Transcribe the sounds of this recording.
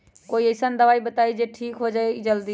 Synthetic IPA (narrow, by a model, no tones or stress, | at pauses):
koːiɐɪsənɪ̆d̪ɐʋaːibɐt̪aːid͡ʑeːʈʰiːkɦod͡ʒaːed͡ʑɐld̪iː